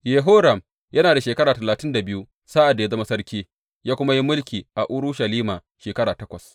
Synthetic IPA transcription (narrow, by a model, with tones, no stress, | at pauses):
je˨ɦo˦ɾɐ˨m | jɐ˦naː˨da˨ʃeː˨kɐ˦ɽaː˨tɐ˨laː˨tɪ˦nda˨bɪ˦ju˦ | sa˦ʔa˨dːa˨ja˦zɐ˦ma˦sɐ˦rkʲiː˦ | jaː˦kʷʊ˦ma˦ji˦mʊ˦lkʲiː˨ʔa˨ʔʊ˦ɾʊ˦ʃɐ˨liː˦maː˨ | ʃeː˨kɐ˦ɽaː˨tɐ˦kʷɐ˨s